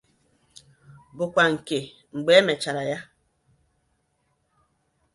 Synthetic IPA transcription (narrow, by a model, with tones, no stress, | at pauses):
bu˨kʷwa˨ŋ̩˨ke˨ | ŋ͡m̩˨ɡ͡bɛ˨˦mɛ˨t͡ʃa˨ɾa˨ja˦